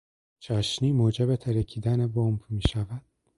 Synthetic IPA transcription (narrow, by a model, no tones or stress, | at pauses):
t͡ʃʰæʃniːmoːd͡ʒebet̪ʰæɾæcʰiːd̪ænebombmiːʃævæd̪̥̚